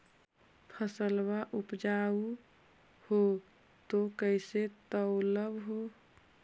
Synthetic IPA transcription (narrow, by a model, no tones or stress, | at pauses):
pʰəsəlbaʔupd͡ʒau | ho | t̪okəɪset̪əʊləbɦo